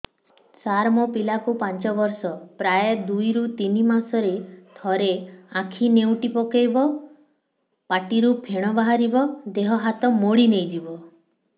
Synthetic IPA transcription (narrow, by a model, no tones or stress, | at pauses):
saɾmɔpilakupant͡ʃɔbɔɾsɔpɾajd̪ujɾut̪inimasɔɾet̪ʰɔɾeãkʰinewʈipɔkejbɔ | paʈiɾupʰeɽ̃ɔbaɦaɾibɔd̪eɦɔɦat̪ɔmoɽinejd̪ibɔ